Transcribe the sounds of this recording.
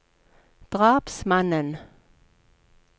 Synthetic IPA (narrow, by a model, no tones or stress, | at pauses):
d̪̥ʁɑːpsmanən